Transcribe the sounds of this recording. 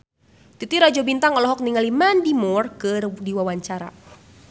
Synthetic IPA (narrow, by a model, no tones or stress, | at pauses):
t̪it̪iɾad͡ʒɔbint̪aŋɔlɔɦɔk̚niŋalimandimɔrkədiwawaɲt͡ʃaɾa̰